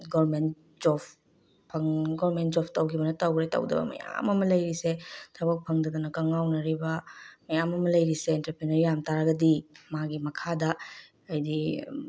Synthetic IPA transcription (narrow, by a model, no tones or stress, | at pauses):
ɡoɾment | d͡ʒopʰ | pʰɐŋɡoɾmentd͡ʒopʰtɐwkʰibɐnɐtɐwɡɾetɐ̰wdɐ̰bɐ̰mɐ̰ja̰mɐmɐlɐjɾisetʰɐbɐk̚pʰɐŋdɐd̪unɐkɐŋawnɐɾibɐmɐjamɐmɐlɐjɾiseːntɾɐɾpɾinɐɾijamtaɾaɡɐdimaɡimɐkʰadɐ | ɐjdi